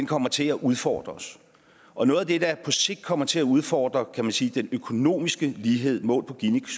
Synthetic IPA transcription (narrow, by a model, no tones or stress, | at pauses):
enkʰɒ̽m̰ɐt͡sʰe̝æʔuð̞ˠfɒ̰ːd̥ʁɐɒs | ʔɒ̽nɔ̽ːðˠæd̥e̝d̥ɑ̈pʰɒ̽se̝ɡ̥̚d̥kʰɒ̽m̰ɐt͡sʰe̝læuð̞ˠfɒ̰ːd̥ʁɐkʰæmænsiːd̥enøkʰo̝no̝̰ːmisɡ̥əliːɦe̝ð̞̰ˠmɔ̰̽ːlpʰɒ̽ɡ̥iniɡs